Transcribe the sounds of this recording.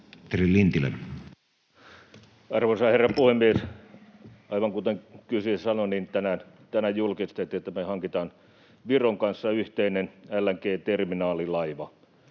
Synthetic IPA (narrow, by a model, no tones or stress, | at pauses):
t̪erillint̪ilḛn | ɑrʋosɑherːɑpuhemːies | ɑiʋɑŋkut̪eŋkysysɑnonint̪ænæn | t̪ænæjjulkist̪et̪iet̪ːæmehɑŋkit̪ɑːn | ʋiroŋkɑnsːɑyht̪einenælːæŋkeːt̪erminɑːlilɑiʋɑ